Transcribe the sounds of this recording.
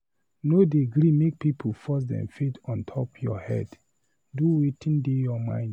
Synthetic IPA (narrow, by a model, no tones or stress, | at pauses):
nodeɡɾimek̚pipʰolfɔs̬dɛ̰̃mfetʰɔ̃ntʰɔpjɔ̰hɛ̰d | duwetĩndejɔmã̰ɪ̃nd